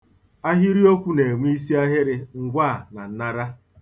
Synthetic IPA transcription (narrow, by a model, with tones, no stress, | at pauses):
a˦ɦi˦ɾi˦o˦kʷu˦ne˨ŋʷ˦i˦s̬i˦a˦ɦɪ˦ɾɪ˦ŋ̩˦ɡʷa˦˨na˨n̩˦na˦ɾa˦